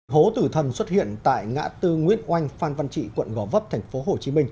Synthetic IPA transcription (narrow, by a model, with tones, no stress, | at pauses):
ho˨˦t̪ɨ˧˩t̪ʰə˨˩nswə˦˥t̚hḭ˧˨ənt̪a̰ː˧˨jŋa̰ː˧˥t̪ɨ˧ŋwḭ˧˥ənʔwa˧jŋ̟faː˧nva˧nt͡ɕḭ˧˨kwə̰˧˨nɣɔ˨˧˩və˦˥p̚t̪ʰɛ˨˩ŋ̟fo˨˦ɦo˨˩t͡ɕi˨˦mï˧ŋ̟